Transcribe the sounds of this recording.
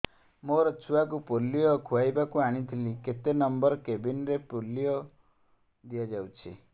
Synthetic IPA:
moɾɔt͡ʃʰuakupolijɔkʰuwajbakuaɽ̃it̪ʰiliket̪enɔmbɔɾɔkebinɾepolːiɔ | d̪ijɔd͡ʒawt͡ʃʰḭ

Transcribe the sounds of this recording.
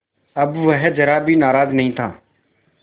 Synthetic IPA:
əbʋəɦɛd͡ʒəɾaːbʱiːnaːɾaːznəɦĩːt̪ʰã̰ː

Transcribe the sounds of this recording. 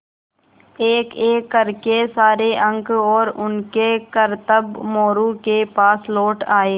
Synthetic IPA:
eːkeːkːəɾkesaːɾeʔə̃ŋkɔːɾʊnkekəɾt̪əbmoːɾukepaːslɔːʈaːeː

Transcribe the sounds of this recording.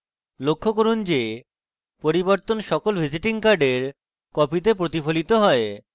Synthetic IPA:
lokʰːokoɾund͡ʑe | poɾiboɾt̪onʃɔkolbʱid͡ʑiʈiŋkaɾɖeɾ | kɔpit̪̬ep̬ɾot̪ifolit̪oɦɔe

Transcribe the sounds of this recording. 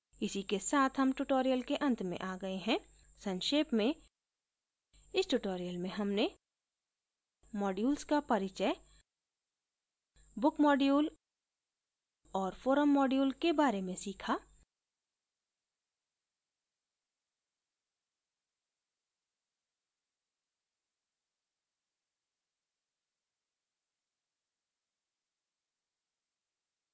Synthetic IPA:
ɪsikesaːt̪ʰɦɐmʈuʈoːɾijəlkeʔɐ̃nt̪ʰmḛ̃ʔaːɡɐeɦɛ̃ː | sɐ̃nʃeːpmẽ | ɪsʈuʈoːɾijəlmẽɦɐmne | mɔːɖjuːlskapɐɾɪt͡ʃə | bʊkmɔːɖjuːl | ɔːɾfoːɾəmːɔːɖjuːlkebaːɾemẽsiːkʰaː

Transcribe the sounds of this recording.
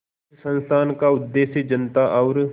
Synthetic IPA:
sə̃nst̪ʰaːnkaʊd̪ːeːsjəd͡ʒənt̪aʔɔːɾ

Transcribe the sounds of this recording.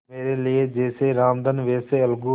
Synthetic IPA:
meːɾeːlied͡ʒeːseːɾaːmd̪ənʋeːseɐlɡu

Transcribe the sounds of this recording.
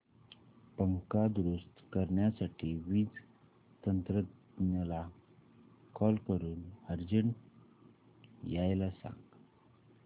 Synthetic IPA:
pəŋkad̪ɾust̪kəɾɳjasaʈʰiːʋiːd͡z | t̪ənt̪ɾəd̪ | nəla | kɔlkəɾuːnəɾd͡ʑəɳ | jajlasã̰ŋɡ

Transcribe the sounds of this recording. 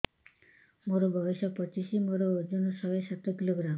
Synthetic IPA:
moɾobʱɔbiʃɔpɔt͡ɕiʃimoɾood͡ʑonoʃɔbeʃat̪ːokiloɡɾam

